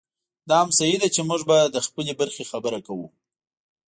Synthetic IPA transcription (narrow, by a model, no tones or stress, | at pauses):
d̪ɑhamsajid̪at͡ʃemuʐbad̪əxpəlebaɾxexabəɾakawṵ